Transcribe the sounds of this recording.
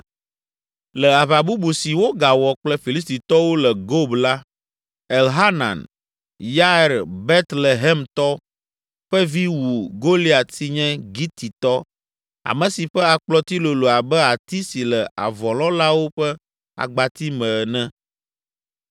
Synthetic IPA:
lɛ˨a˨βa˨bu˦bu˨si˨wo˦ɡa˨wɔ˨k͡plɛ˦fi˨li˦st̪i˨t̪ɔ˦wo˦lɛ˨ɡo˦bla˦ | ɛ˨lɦa˦nã̰˨n | ja˦˨ɾbe˦t̪lɛ˨ɦɛ˦mt̪ɔ˦ | ɸɛ˦vi˦wu˨ɡo˦li˦a˨si˦ɲɛ̃˦ɡi˦t̪i˨t̪ɔ˦ | a̰˨mɛ̃˨si˨ɸɛ˦a˨k͡plɔ˦t̪i˦lo˨lo˨a˨bɛ˦a˨t̪i˦si˨lɛ˨a̰˨vɔ̃˨lɔ̃˦la˦wo˦ɸɛ˦ | a̰˨ɡ͡ba˨t̪i˦mɛ̃˨nɛ̃˦

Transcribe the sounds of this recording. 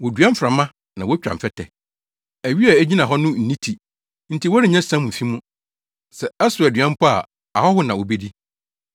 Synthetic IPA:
wɔ˨dɥã˦m̩˦fɾa˨mã˦ | nã˨wɔ˦t͡ɕᶣɾa̰˨m̩˨fɛ˦tʰɛ̰˨ | æ˨ɥi˦a˨æ˦d͡ʑi˦nã˨ɦɔ˦nʊ̃˦n̩˨ĩ˦tʰi˨ | n̩˦tʰi˨wɔ˦ɾɪ˦˨ɲã˦sã˦mʊ̃˨fi˦mũ˦ | sɛ˨ɛ˦sʊ˨æ˨dɥã˦m̩˦pʰɔ˦a̰˨ | a˨hɔ˦hʊ˦nã˨o˨be˦di˦

